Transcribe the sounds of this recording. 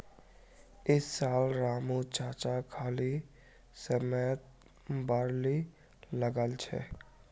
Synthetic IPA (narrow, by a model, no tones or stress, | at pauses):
ɪsːaːlɾaːmut͡ʃaːt͡ʃakʰaːli | səmət̪̚ | baɾli | ləɡəlt͡ʃʰɛ̰